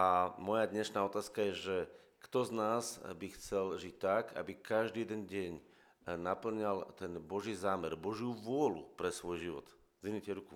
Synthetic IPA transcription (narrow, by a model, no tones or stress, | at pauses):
ʔamɔjad̪ɲɛʃnaːɔt̪aːskajɛʒɛ | kt̪ɔznaːzbixt͡sɛlʒic̚t̪ːaka̰bikaʒd̪iːjɛd̪ɛnɟɛɲ | napl̩ɲalt̪ɛnbɔʒiːzaːmɛɾbɔʒɪuʋʊɔlṵpɾɛsʋɔjʒiʋɔ̰t̪ | zinicɛɾuku